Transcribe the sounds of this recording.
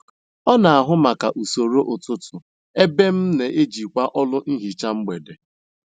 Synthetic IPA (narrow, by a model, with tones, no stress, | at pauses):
ɔ˦na˨a˨ɦʊ˦ma˨ka˨ʔu˨so˨ɾo˦ʔʊ˨tʊ˦tʊ˨ | e˦be˦m̩˦ne˨ʔe˦d͡ʒi˨kʷa˦ʔɔ˦lʊ˦n̩˦ɦi˨t͡ʃa˦ŋ͡m̩˦ɡ͡be˨de˨